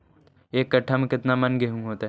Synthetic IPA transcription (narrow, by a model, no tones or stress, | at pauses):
eːkːɐʈʰəmkɪt̪namɐnɡeɦũɦoːt̪ː